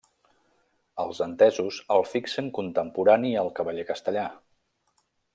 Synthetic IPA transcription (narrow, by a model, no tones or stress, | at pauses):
əlˠzənt̪ɛzuzəlˠfiksəŋkunt̪əmpuɾaniəlˠkəβəʎekəst̪əʎa